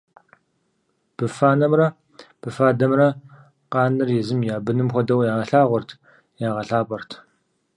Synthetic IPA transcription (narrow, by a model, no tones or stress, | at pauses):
b̥ɨfaːnɐmrɐ | b̥ɨfaːdɐmrɐ | qɑːnɨrjɛzɨmjaːbɨnɨmxʷɔdɐwjaːʁɐɬaːʁʷʊrtʰ | jaːʁɐɬaːpʼɐrtʰ